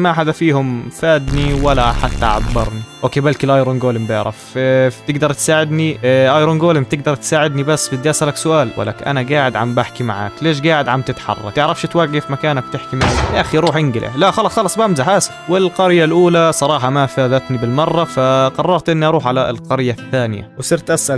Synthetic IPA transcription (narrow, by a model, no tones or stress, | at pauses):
maħad̪afiːhʊmfaːd̪niwalaħat̪ːaʕa̰bːɑɾˤniʔoːkeːbalkɪlʔɑjɾoːnɡoːlɪmbɪ̰ʕɾɑ̰ft̪ɪɡd̪ɑɾˤt̪saːʕɪd̪niʔɑjɾˤoːnɡoːlɪmt̪ɪɡ̚d̪ɑɾˤt̪saːʕɪd̪nibasːbɪd̪iʔasʔalaksʊʔaːlwa̰lːa̰kʔa̰naɡaːʕɪd̪ʕa̰mbaħkimaʕa̰ːkleːʃ̬ɡaːʕɪd̪ʕamt̪ɪt̪ħɑ̰rˤːɑ̰t̪ɪʕɾɑfʃt̪waɡːɪfmakaːnak̚t̪ɪħkimaʕaʔaxiɾuːħʔɪŋɡɪlʔa̰laʔxɑlɑsˤxɑlɑsˤbamzaħaːsɪwɪlqɑɾɪjalʔuːlasˤɑɾˤɑːħɑmafaːðat̪nibɪlmɑrˤːɑfaqɑrˤːɑɾˤt̪ʔɪnːiʔɑɾˤuːħʕalalqɑɾɪjːaθːaːnɪja̰wsˤɨɾt̪ʔasʔal